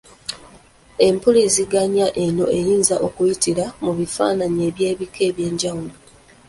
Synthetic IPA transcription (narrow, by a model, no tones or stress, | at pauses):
e̞mpuliziɡaɲaʔe̞no̞e̞jiːnzaʔo̞kujitiɾamuβifa̰ːnaɲe̞ːβje̞ːβike̞ːβje̞ːɲɟawulo